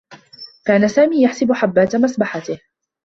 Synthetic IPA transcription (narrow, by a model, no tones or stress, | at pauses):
kaːnasaːmiːjaħsɪbʊħabːaːt̪masbaħat̪ɪh